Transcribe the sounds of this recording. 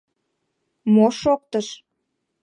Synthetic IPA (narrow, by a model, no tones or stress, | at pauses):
moʃok̚t̪əʃ